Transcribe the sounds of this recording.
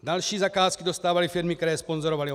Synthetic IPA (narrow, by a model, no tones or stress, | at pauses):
dalʃiːzakaːskidost̪aːvalifɪɾmɪkt̪ɛɾɛːspo̞nzoɾovali